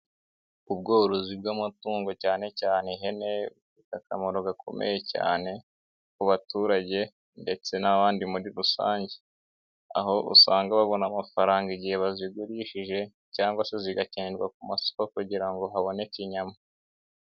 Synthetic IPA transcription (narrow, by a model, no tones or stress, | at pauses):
ub̚ɡoːɾozibɡamutuːŋɡo̞caːne̞caːne̞ɦe̞ne̞ufitakamoɾoɡakʰo̞̰mʔḛje̞ca̰ːne̞ | kuβatuːɾaɟe̞ | nde̞t͡se̞naβaːndimuɾiɾusa̰ːɲɟe̥ | a̰ɦo̞ʔṵsaːŋɡaβaβo̞namafaɾaːŋɡaiɟiheβaziɡuɾiʃiʒe̞ | caːŋɡwaseziɡaceːndɡwa̰kumaso̥hokuɟiɾaŋɡo̞ɦaβo̞ne̞kiɲama